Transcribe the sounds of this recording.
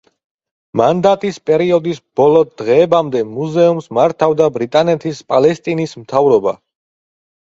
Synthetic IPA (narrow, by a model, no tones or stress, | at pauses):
mand̪at̪ʼispʼɛɾiɔd̪isb̥ɔlˠɔd̪ʁɛːbamd̪ɛmuzɛumsmaɾt̪ʰavd̪abɾit̪ʼanɛt̪ʰispʼalɛst̪ʼinismt̪ʰavɾɔba̰